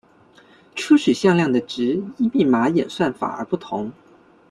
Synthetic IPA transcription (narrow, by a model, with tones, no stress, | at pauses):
ʈ͡ʂʰu˥ʂy˨˩ɕjɑ˥˧ŋljɑ˥˩ŋd̪ə˩ʈ͡ʂɻ̩˧˥i˥˧pi˥˩ma˧˥jɛ̰˨˩nswa˥˩nfa̰˨˩ə̰˞˧˥pu˥˩t̪ʰʊ˧˥ŋ